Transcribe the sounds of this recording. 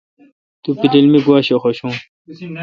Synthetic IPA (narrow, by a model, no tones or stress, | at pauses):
t̪upiɾilmiɡuaɕoxoɕũ